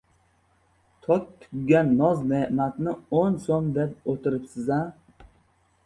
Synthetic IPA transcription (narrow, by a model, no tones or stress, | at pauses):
t̪ʰɒt̚t̪ʰːʊ̥ɡʲɡʲanːɒzneʔmat̪nɪonsomd̪ep̚ot̪ʰɪɾɪpsɪza